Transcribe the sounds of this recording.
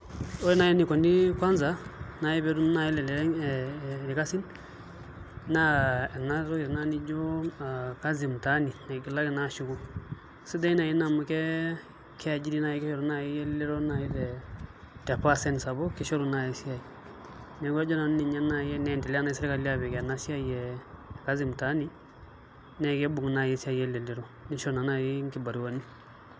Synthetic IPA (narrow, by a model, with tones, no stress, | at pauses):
o˦i˦na˨jɛ˦ni˨kɔ˨ndi˦kwa˦nza˦na˨ji˦bɛ˨˦ɾu˦n˦na˨ji˦lɛ˨lɛ˨ɾɛ˦ŋ | ɾi˨ka˦si˦n | na˦ɛ˨na˦ɾɔ˦ɡi˨ɾna˦ni˦d͡ʒo˦˨ka˦zi˨m˨ta˦ni˨na˨ɡi˨la˦kɪ˨na˦ʃu˨ɡu˨ | si˦da˦na˨ji˦na˨mu˦kɛ˦ | kʰɛ˦˨d͡ʒi˦di˦na˦jɛ˦kɪ˦ʃɔ˦ɾu˦na˦jɛ˦jɛ˦llɪ˦ɾo˦na˦˨ji˦tɛ˨ | tɛ˨pa˦sɛ˦n˨sa˨bɔ˦kɪ˦ʃɔ˦ɾu˨na˨jɛ˨si˦a˨i˨ | nɛ˨ɡɛ˦d͡ʒɔ˦na˨n˦ni˨ɲa˦na˦˨jɛ˦nɛ˨tɛ˨la˦na˦ɪsɪ˦ɾka˨li˦a˦bɛ˨kɛ˨na˦si˦a˦jɛ˨ka˦zɪ˨m˨ta˦ni˦ | nɛ˨kɛ˦bʊ˨ŋ˨na˨je˦sa˦˨jɛ˦le˨lɪ˨ɾo˦nɪ˦ʃo˦ɾna˨na˦˨je˦ŋkɪ˦ba˨ɾi˨wa˨˦ni˦